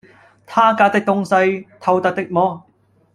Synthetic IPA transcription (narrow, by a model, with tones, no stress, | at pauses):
t̪ʰaː˥kaː˧t̪ɪ˥k̚t̪ʊ˧ŋsɐ˧jt̪ʰɐ˨˧wt̪ɐ˨k̚t̪ɪ˥k̚mɔː˧